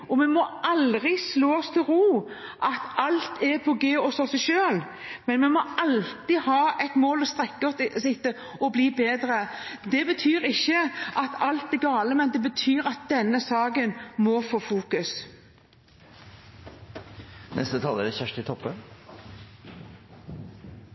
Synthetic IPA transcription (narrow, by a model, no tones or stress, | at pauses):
ɔmɛnmɔʔɑlʁɪsloːɔst̪ʰɪlɾuː | ʔɑt̪ɑlt̪ʰɛpʰɔɡeːɔsɔsɛɪʃøːl | mɛnmɛmɔʔɑlt̪ɪhɑːɛt̪moːlɔst̪ʁɛkːɔt̪sɪt̪ːə | ɔbliːbeːd̪ɾəd̪ɛbət̪ʰyːɾɪçːəʔɑt̪ʰɑlt̪ɛɡɑːləmɛnd̪ɛbət̪ʰyːɾɑt̪̚d̪ɛnːəsɑːɡənmɔfoːfuːkʉs | nʔɛ̰st̪ət̪ʰɑːləɾɛçæʂʈ̪ɪt̪ʰɔpːən